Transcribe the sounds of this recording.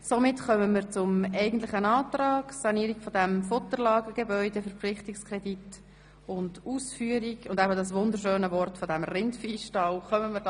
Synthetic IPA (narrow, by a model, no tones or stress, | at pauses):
somɪtχœməməɾt͡sʊmɛɪɡən̩tlɪχənɑːtrɑːɡsɑniːɾiɡfɔdæmfʊtəɾlɑːɡəɡ̥ebœʏdɛfəɾpflɪχtikskrɛdit | ʊnduːsfyːəɾiɡʊndæbədɑs̬ʋʊnd̪əɾʃøːnəvɔrtfɔdæmrɪntfiːsʃtɑlχœməmə